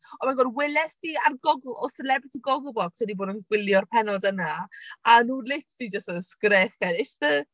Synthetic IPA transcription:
ɔmaɡɔdwɪlɛstiarɡɔɡˠʔɔsɛlɛbɾɪtʰiɡɔɡʊbɔkswɛdiboːdənɡwɪlˠjɔrpʰɛnɔdənaanuːlɪtʰvid͡ʒəstəskɾɛχɛdɪsə

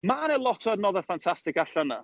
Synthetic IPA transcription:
manelˠɔtʰɔədnɔðəfantʰastɪkaɬəna̰

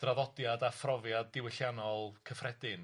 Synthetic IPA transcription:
d̥raðɔdjadafrɔvjadːɪwɪɬjanɔlˠkʰəfrɛdɪn

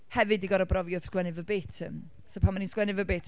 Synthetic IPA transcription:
hɛvɨdiɡɔɾabrɔvjʊð̥skwɛnɨvəbeːtʰə̰m | sopʰanmːaninskwɛnɨvəbeːtʰ

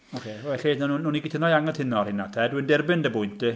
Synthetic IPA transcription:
ɔkʰewɛɬidnanunːuːniɡɪtʰənɔjaŋəntʰɪnɔrhɪnatʰɛduəndɪrbɪndəbʊjntʰdɨ

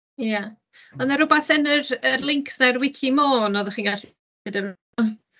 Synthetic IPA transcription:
ja | ɔnaɾʊbaθɛnərərlˠɪŋkʰsnarwɪkʰimoːnɔːðəχiːnɡaɬ | ɪdəv

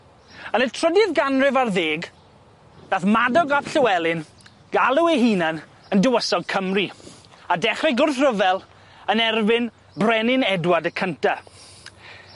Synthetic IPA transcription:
ənətʰr̥ədɪðɡanrɪvarðeːɡ | daːθmadɔɡapɬəwɛlˠɪn | ɡ̥alˠuweɦinan | əndəwəsɔɡ̚kʰəmriadɛχrɪɡʊrθrəvɛlˠ | ənɛrvɪn | brɛnɪnɛdwadəkʰəntʰa

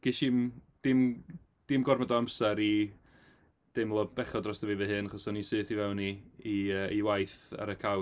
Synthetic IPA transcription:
ɡ̥iʃimd̥ɪm | d̥ɪmɡɔrmɔdɔamsaɾi | d̥ɪmlˠɔb̥ɛχɔdrɔsd̥əvivɨɦɨnaχɔsɔnisɨːθivɛwniiəːiwajθa̰ɾəkʰaw

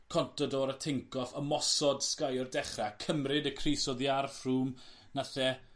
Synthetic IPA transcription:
kʰɔntʰɔdɔɾətʰɪŋkʰɔfəmɔsɔd̥skajɔrdɛχrakʰəmrɪdəkʰrejsɔðiarfruːm | naθɛ

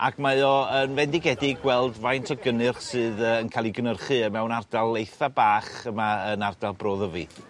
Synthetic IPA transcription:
a̰kʰmajɔənvɛndɪɡɛdɪɡwɛlˠdvajntʰɔɡənɨrχsɨːðəənkʰaːlˠiɡənərχɨəmɛwnardalˠːejθabaːχəmaənardalˠbroːðəvɨ̰θ

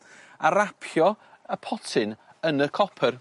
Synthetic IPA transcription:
aɾapʰjjɔ | əpʰɔtʰɪn | ənəkʰɔpʰər

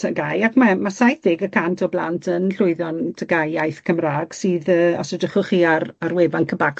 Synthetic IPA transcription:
tʰəɡajakmamasajθɪɡəkʰantʰɔbla̰ntʰənɬʊɨðɔntʰəɡajajθkʰəmraːɡ̥sɨːðəːɔ̰sɔdəχʊχiaraɾwɛvankʰəbak

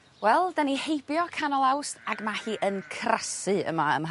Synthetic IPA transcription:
wɛlˠdanihejbjɔkʰanɔlˠawsaɡmahiːʔənkʰrasɨə̰maə̰m

